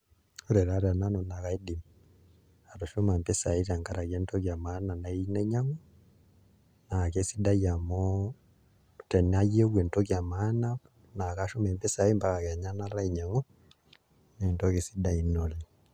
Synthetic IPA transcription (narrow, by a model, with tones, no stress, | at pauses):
o˦ɾɛ˨ɾa˦ɾa˨na˦no˨na˨ka˦i˦di˨m | a˨ɾo˨ʃo˦ma˨mpe˦sa˨i˦ɾa˨ŋka˦ɾa˨kɛ˦ntɔ˦kja˨ma˦na˨na˨i˦nɛ˦ɲa˦ŋo˦ | na˨ke˦si˦da˦ja˨mɔ | tɛ˨na˦jo˦ɡwɛ˨ntɔ˦kja˨ma˦na˦ | na˨ka˦ʃu˦mɛ˨mpɛ˦sa˨e˦mba˦ka˨kɛ˨ɲa˦na˦ɾa˦i˨ɲa˨ŋɔ˦ | nɛ˨ntɔ˦ke˨si˦da˦i˨nɔ˨li˨